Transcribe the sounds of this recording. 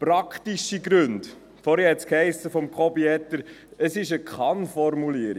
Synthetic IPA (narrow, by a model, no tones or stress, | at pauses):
pɾɑkχtiʃiɡɾɵnd | fɔːɾhɛhɛt̪skhɛɪsːəfɔmkʰɔbiɛt̪ːəɾ | əsɪʃəkχɑnfɔrmuliːəɾi